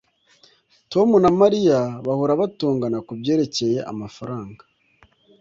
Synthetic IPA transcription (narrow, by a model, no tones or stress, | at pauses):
to̞munamaɾijaβahuɾaβatuːŋɡanakubɟeːɾe̞ce̞je̞ʔa̰mafaɾaːŋɡa